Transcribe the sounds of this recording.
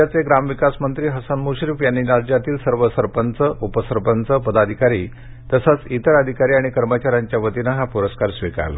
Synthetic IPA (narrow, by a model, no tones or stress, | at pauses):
at͡seɡɾamʋikasmənt̪ɾiːɦəsanmuɕɾifjanːiːɾad͡ʑjat̪iːlsəɾʋəsəɾpənt͡səʔupəsəɾpənt͡səpəd̪ad̪ʱikaɾi | t̪əsat͡sit̪əɾəd̪ʱikaɾiːaɽ̃ikəɾmət͡ɕaɾaɲt͡ɕjaʋət̪inəɦapuɾəskaɾsʋika̰l̰